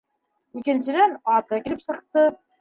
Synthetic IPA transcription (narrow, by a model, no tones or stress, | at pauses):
ikɘ̆nsɘ̆d̪ænɑt̪ɑkʲilɘpsɤ̆qt̪ɤ